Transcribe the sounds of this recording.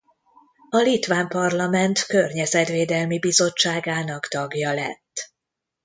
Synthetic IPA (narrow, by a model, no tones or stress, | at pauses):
ɒlit̪ʋaːmpɒrlɒmɛnt̪kørɲɛzɛt̪ʋeːd̪ɛlmibizo̞t͡ʃːaːɡaːnɒkt̪ɒɡjɒlɛ̰t̪ː